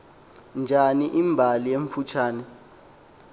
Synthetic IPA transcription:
nd͡ʒʱaniʔimbʱalijeɱfut͡ʃʰaːnɛ

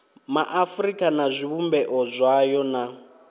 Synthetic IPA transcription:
maʔafrikʼanazʷiβumbɛʔɔzʷajɔna

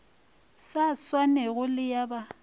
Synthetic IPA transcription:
saswanɛɣʊlɪjaba

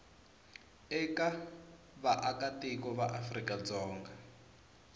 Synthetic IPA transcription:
ɛka | βaʔakatikɔβaʔafrikad͡zɔːŋɡa

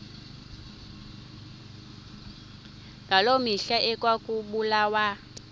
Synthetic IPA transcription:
ŋalomiɬaʔɛkʼwakʼuɓulawa

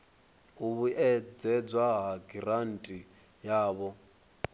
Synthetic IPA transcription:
uβuʔɛd͡zɛd͡zwaɦaɡiɾan̩tʼi | jaːβɔ

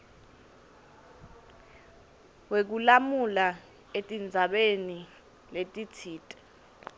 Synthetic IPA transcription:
wek̬ulamula | etʼind͡zʱaɓeni | letʼitʰiːtʼɛ̥

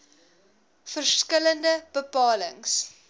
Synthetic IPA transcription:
fərskələndəb̥əpɑːləŋs

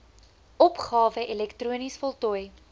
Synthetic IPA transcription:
ɔpχɑːvəʔɛlɛktruənisfɔlˠtɔj

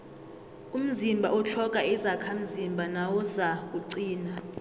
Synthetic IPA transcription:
um̩zimbʱaɔt͡ɬʰɔk̬ʼaʔizakʰam̩zimbʱanawɔzak̬ʼuǀiːna

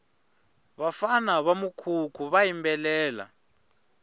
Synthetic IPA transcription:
βafanaβamukʰukʰuβajimbɛlɛːla̰

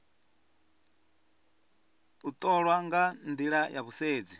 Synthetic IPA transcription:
ut̪ʼɔɺwaŋɡand̪iɺajaβuseːd͡zi

